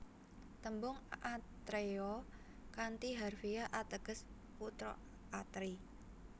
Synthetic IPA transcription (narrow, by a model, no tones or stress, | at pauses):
t̪əmbʊŋʔat̪ɾeɔ | kant̪iɦarfijaʔat̪əɡ̥əs | put̪ɾɔ̰ | at̪ɾi